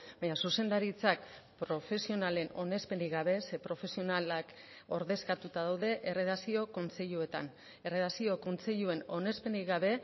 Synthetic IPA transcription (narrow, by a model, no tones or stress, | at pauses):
bbaɲasuse̞nd̪aɾit͡sakpɾo̞fe̞sio̞nale̞no̞ne̞spe̞nd̪iɣaβ̞e̞se̞pɾo̞fe̞sio̞nalak | o̞ɾðe̞skat̪ut̪aðawðe̞ʔereðasio̞ko̞nt͡se̞ʎue̞t̪a̰n | e̞reðasio̞ko̞nt͡se̞ʎue̞no̞ne̞spe̞niɣaβ̞e̞